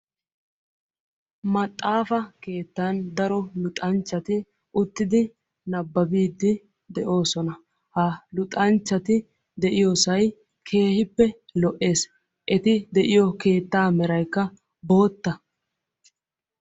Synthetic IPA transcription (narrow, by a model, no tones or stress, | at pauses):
mɐt̪ʼːaːfɐke̞ːt̪ːaːnd̪ɐɾɔlʊt̪ʼɐnt͡ʃːɐt̪ɪ | ʔʊt̪ːɪd̪ɪ | nɐbːɐbiːd̪ːɪ | d̪ɛʔo̞ːsɔnɐ | hɐlʊt̪ʼɐnt͡ʃːɐt̪ɪ | d̪ɛʔɪjɔsɐj | kʰe̞ːhɪpːɛlɔʔe̞ːs | ʔɛt̪ɪd̪ɛʔɪjɔke̞ːt̪ːaːmɛɾɐjkːɐ | bo̞ːt̪ːɐ